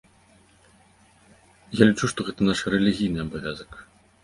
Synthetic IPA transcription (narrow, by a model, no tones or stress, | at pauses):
jalʲit͡ʂuʂt̪ɔɣɛt̪ɐnaʂrɛlʲiɣʲijnɨɐbavʲazɐk